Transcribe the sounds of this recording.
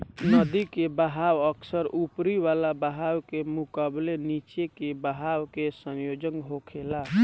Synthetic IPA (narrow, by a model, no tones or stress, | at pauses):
nəd̪ikebəɦawəkʰsəɾupɾiʋalabəɦawkemukablenit͡ʃekebəɦawkesə̃njod͡ʒəŋɡɦokʰela